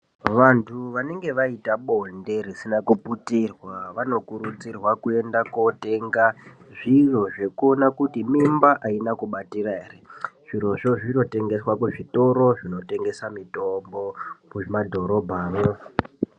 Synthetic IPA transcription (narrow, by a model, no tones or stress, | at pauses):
ʋantʰuʋane̞ŋɡe̞ʋaitaɓo̞nde̞ɾisinakuputirwaʋano̞kuɾut͡sirwakue̞ndako̞te̞ŋɡa | ʐiʐo̞ʐe̞kuonakutimimbaʔainakuɓatiɾaɦereʐ̥iro̞ʐo̞ʐino̞te̞ŋɡe̞swakuʐito̞ɾo̞ʐino̞te̞ŋɡe̞samito̞mbo̞mumadʱo̞ɾo̞bʱaːro